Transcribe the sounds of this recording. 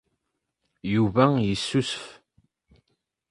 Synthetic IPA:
juvæjisːusəf

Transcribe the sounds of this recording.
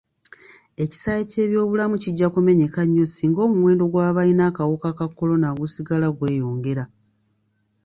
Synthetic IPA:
e̞ci̥saːjece̞ːβjo̞ːβulamuciɟːakume̞ɲekaɲːosiːŋɡo̞ːmumwe̞ːndo̞ɡwaːβainaːkawokakakːo̞lo̞naɡusiɡalaɡwe̞ːjo̞ːŋɡe̞ɾa

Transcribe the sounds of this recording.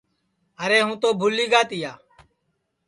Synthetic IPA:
əɾeːɦũːt̪oːbʱʊliːɡaːt̪ɪjaː

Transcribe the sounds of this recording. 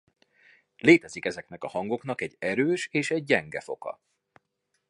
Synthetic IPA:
leːt̪ɛzikɛzɛknɛkɒhɒŋɡo̞kn̪ɒkɛɟːɛɾøːʃeːʃɛɟ̚ːɛŋɡɛfo̞̰kɒ̰

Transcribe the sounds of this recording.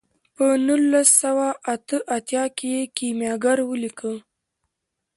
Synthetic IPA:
pənulːasːawaʔat̪əʔat̪jɑkejekimjɑɡaɾwəlikʰə

